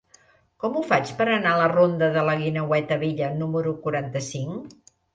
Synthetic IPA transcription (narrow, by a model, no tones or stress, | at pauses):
kɔmufat͡ʃpəɾənalərond̪əðələɣinəwɛt̪əβiʎənuməɾukuɾant̪əsiŋ